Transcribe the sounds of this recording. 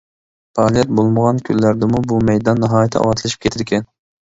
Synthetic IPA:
pɑːlˠijɛt̪̚bolˠməʁɑnkʲʰylːæɾd̪ɪmubumɛjd̪ɑnːɨɦɑːjɛt̪ʰːɛ̰ɑ̰wɑt̪ʰlˠɨʃip̚kʲʰet̪ʰɪɾkʲʰɛn

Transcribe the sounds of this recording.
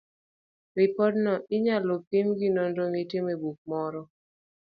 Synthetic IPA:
ɾipɔdnɔʔiɲalopimɡinondoŋitemebuk̚mɔɾɔ

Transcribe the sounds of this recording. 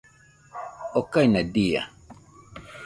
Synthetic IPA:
ɔkajnadija̰

